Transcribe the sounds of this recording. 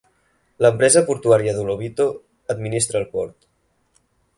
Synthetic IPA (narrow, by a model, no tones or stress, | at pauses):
ləmpɾɛzəpuɾt̪uaɾiəðuloβit̪o | əd̪minist̪ɾəːlˠpɔɾt̪